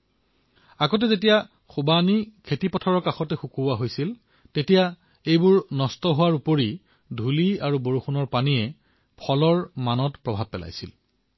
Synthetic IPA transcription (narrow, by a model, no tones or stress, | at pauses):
aɡɔt̬ɛzetija | xubanikʰetipɔtʰɔɹɔɹkaxɔtɛxukuaɦojsil | tetija | ejbʊɹnɔstɔɦʊwaɹupoɹi | dʱuliaɹuboɹuxunɔɹpaniɛ | pʰɔlɔɹmanɔtpɹɔbʱab̚pːɛla̰jsḭl